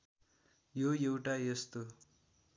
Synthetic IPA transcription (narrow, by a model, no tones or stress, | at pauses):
jojewʈajʌst̪o